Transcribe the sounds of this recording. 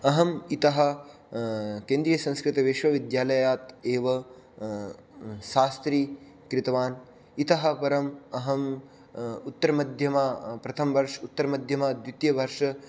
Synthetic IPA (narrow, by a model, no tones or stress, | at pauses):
ɐɦɐmit̪ɐɦɐ̆ | keːnd̪ɾijɐsɐ̃ŋskɾɪt̪ɐʋeʃʋɐʋid̪jaːlɐjaːt̪eːʋɐ | ʃaːst̪ɾiː | kɾɪt̪ɐʋaːn | it̪ɐɦɐ̆pɐɾɐmɐɦɐm | ut̪ːɐɾɐmɐd̪ʱjɐmaːpɾɐt̪ʰɐmʋɐɾʂɐut̪ːɐɾɐmɐd̪ʱjɐmaːd̪ʋit̪jɐʋɐɾʂɐ